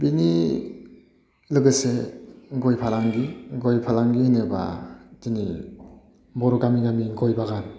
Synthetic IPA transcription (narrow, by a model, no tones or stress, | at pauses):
bini | lɯɡɯseɡɔjpʰalaŋɡiɡɔjpʰalaŋɡihinɯba̰dini | bɔɾɔɡamiŋamiɡɔjbaɡan